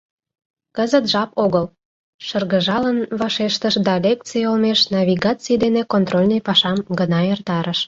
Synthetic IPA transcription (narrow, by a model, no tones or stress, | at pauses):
kəzət̪ʒɑpoɣəl | ʃərɣəʒɑlənβɑʃeʃt̪əʃd̪ɑlʲekt͡sijolmeʃnɑβʲiɣɑt͡sijd̪enekont̪rolʲnəjpɑʃɑmɡənɑert̪ɑɾəʃ